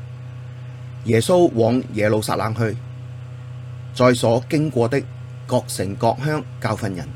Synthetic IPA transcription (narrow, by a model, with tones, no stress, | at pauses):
jɛː˨˩so˥wwɔː˨˥ŋjɛː˨lo˨˧wsa̰ː˧t̚laː˨˧ŋɦɵ˧ɥ | t͡sɔː˧jsɔː˨˥kɪ˥ŋkʷɔː˧t̪ɪ˥kː | ɔː˧k̚sɪ˨˩ŋkɔː˧k̚ɦœː˥ŋkaː˧wfɐ˧njɐ˨˩n